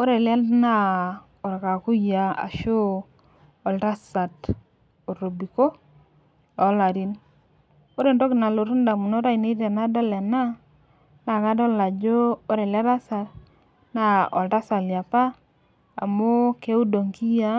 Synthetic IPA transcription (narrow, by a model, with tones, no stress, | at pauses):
o˦ɾe˨lɛ˦nna˦ | o˨ɾe˨ka˨ku˦ja˨a̰˨ʃo˦ | ɔ˨lta˦sa˨t | o˨ɾo˨bi˨ko˦ | ɔ˨˦la˨ɾi˦n | o˦ɾe˨nto˦kɪ˨na˨lo˨ɾu˦n˦da˨mu˨no˦ɾa˦i˨ne˦e˨na˦dɔ˦lɛ˨na˦ | na˨ka˦dɔ˦la˨d͡ʒo˦o˦ɾe˨lɛ˦ɾa˦sa˨ɾ | na˦ʔɔ̰˨lta˦sa˨lja˨pa˦ | a̰˨mo˦ke˦u˦do˨ŋki˦ja˦